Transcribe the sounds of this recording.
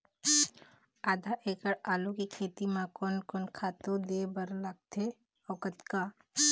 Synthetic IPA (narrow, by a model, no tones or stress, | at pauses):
aːd̪ʱaʔeːkəɽaːlokikʰeːt̪imãkɔnkɔnkʰaːt̪od̪eːbəɾlaɡ̚t̪ʰe | ɔːkət̪kaː